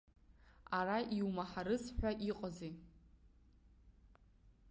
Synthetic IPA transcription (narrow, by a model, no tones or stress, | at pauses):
araʔiwmaħaɾɨsħᶣʷaʔiqʼazi